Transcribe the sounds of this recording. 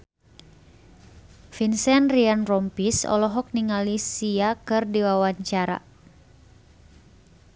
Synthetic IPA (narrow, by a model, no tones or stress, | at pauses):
finsɛnrianrɔmpisɔ̰lɔɦɔk̚niŋalisiakɨrdiwawaɲt͡ʃaɾa̰